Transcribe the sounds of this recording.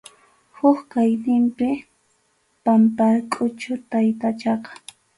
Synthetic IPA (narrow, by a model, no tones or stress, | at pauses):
hʊkkajt̪ɪmpɪ | pampaɾkʼʊt͡ʃʊt̪ajt̪at͡ʃɑqɑ̥